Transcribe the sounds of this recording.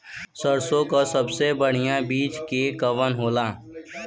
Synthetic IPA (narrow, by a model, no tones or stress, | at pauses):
səɾsõkasəbsebəɽ̤ijãbiːt͡ʃkekəʋənɦoːlaː